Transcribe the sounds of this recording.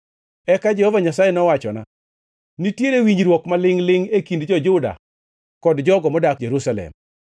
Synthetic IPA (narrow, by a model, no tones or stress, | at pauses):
ɛkad͡ʒɛhɔvaɲasajenɔwat͡ʃɔna̰ | nitjeɾewiɲɾwɔkmalɪŋlɪŋekindd͡ʒɔd͡ʒʊda̰ | kɔdd͡ʒɔɡɔmɔdak̚d͡ʒeɾusalɛ̰m